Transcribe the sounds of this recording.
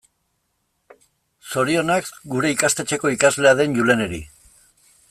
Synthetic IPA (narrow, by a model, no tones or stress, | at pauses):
so̞ɾio̞nakɡuɾe̞ikast̪e̞t͡ʃeko̞ikazle̞að̞e̞nʝulene̞ɾḭ